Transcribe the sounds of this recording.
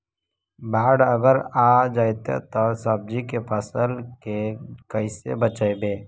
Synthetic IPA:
baːɽəɡəɾaːd͡ʒaːjt̪ḛt̪ɔsəb̚d͡ʒikepʰəsəlkekəisḛbət͡ʃaebeː

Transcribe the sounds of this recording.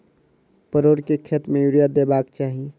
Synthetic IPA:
pəɾoːɾkekʰet̪mẽjuɾijad̪ebaːk̚t͡ʃaːɦie

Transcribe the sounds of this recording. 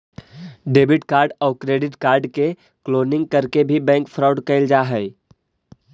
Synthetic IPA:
ɖeːbɪʈkaːɾɖɔːkɾeːɖɪʈkaːɾɖke | kloːnɪ̃ŋɡ̚kɐɾkebʱibɛ̃ːŋkfʰɾaːʊɖkɛɪld͡ʒaːɦɛɪ

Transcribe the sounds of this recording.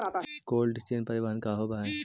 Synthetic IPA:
koːlɖɪsʈeːnpɐɾɪʋankaːɦoːbaː

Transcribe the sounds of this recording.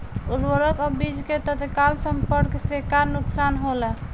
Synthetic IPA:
uɾwəɾəkɔbid͡ʒket̪ət̪kalsəmpəɾksekaɾnuksanɦolɛ

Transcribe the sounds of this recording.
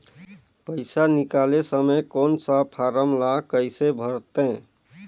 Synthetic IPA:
pəɪsanikalesəmekonsapʰaɾəmlakəɪsebʱəɾt̪ẽ

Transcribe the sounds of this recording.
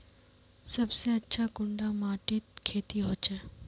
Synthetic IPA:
sɐbseɐtːʃʰakʊɳɖamaːʈɪt̪̚kʰeːt̪iɦoːt͡ʃɛː

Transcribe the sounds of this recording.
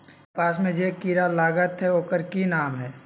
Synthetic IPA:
paːsmẽd͡ʒeːkiːɾalaːɡət̪ɦɛoːkəɾkinaːmɦɛː

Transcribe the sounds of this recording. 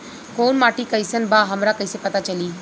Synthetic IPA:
koːnmaːʈikəjsənbaɦəmɾakəjsepət̪at͡ʃəliː

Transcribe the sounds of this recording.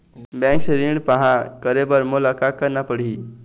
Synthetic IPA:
bɛ̃ŋksɾiɳɖpəɦãkəɾebəɾmolakakəɾnapəɽ̤i

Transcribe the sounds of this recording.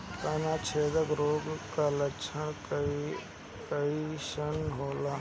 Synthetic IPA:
t̪aːnat͡ʃʰeːd̪əɡɾoːɡkalət͡ʃʰəɽ̃i | kəiʃənɦoːlaː

